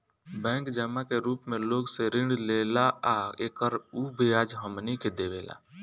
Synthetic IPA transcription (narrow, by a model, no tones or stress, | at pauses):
bɛ̃ːŋkd͡ʒəmakeɾuːpmẽloːɡseɾɪ̃ɳɖleːlaaeːkəɾubʱijaːd͡ʒɦəmniked̪eːʋeːla̰ː